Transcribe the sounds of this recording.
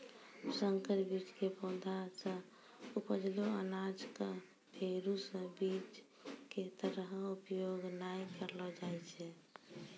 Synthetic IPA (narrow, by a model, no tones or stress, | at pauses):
səŋkəɾbit͡ʃkepɔ̃ːd̪ʱasə̃ | upəd͡ʒloənad͡ʒka | pʰeɾusə̃bit͡ʃ | ket̪əɾɦupjoɡnajkəɾlɔd͡ʒaɛt͡ʃʰɛ